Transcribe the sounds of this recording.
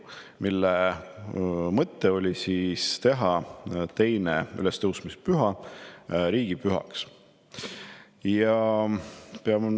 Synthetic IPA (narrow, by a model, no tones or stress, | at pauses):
milːe | mɤt̪ːeo̞lʲisiːst̪e̞ɦɑt̪e̞jney̰lɛst̪ɤwsmispyɦɑ | ɾiːɡ̥ipyɦɑ̰ks | jɑ | peɑm